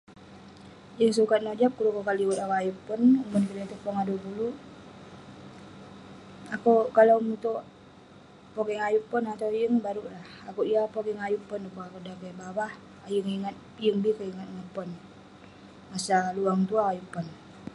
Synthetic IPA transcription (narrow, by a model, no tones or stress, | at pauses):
jəŋsukat̪̚nod͡ʒap̚kulukokaliwət̪akajupːʊnumʊnkiɾəŋt̪upɔŋadupulu | akukalawmut̪u | poɡɛŋajupʊnat̪awjəŋbaɾulahakuijapoɡɛŋajupʊnukuakudakebawah | ajəŋiŋat̪̚jəŋbikaiŋat̪̚ŋəpʊn | masaluaŋt̪uakajupʊn